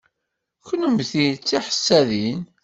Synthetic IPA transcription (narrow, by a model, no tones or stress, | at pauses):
kənəmθit͡sːiħə̥sːæðin